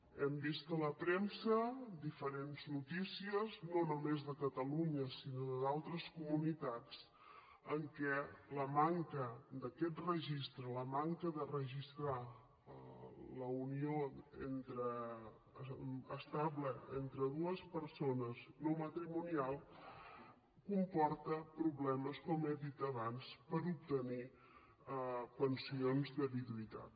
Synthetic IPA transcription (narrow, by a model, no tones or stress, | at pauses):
ɛmbist̪ələpɾensəd̪ifəɾenznut̪isiəznonumezðəkət̪əluɲəsinoðəðalˠt̪ɾəskumunit̪at͡s | əŋkɛləmaŋkəd̪əkɛt̪rəʒist̪ɾələmaŋkəðərəʒist̪ɾa | ləunioḛnt̪ɾə | əst̪aβləent̪ɾəðuəspəɾsonəznomət̪ɾimunialˠ | kumpɔɾt̪əpɾuβlɛməskɔmeðit̪əβanspəɾup̚t̪əni | pənsionzðəβiðuit̪a̰t̪̚